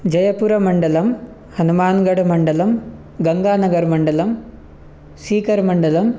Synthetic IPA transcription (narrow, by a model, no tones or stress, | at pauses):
d͡ʒɐjɐpuɾɐmɐɳɖɐlɐm | hɐnumaːnɡɐɽɐmɐɳɖɐlɐm | ɡɐŋɡaːnɐɡɐɾmɐɳɖɐlɐm | siːkɐɾmɐɳɖɐlɐm